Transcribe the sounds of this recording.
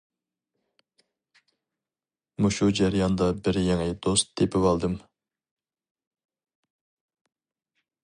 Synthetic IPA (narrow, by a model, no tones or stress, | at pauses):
muʃud͡ʒæɾjɑnd̪ɑbɪɾjeŋɪd̪̥ost̪d̪epʰɪvɑlˠd̪ɨm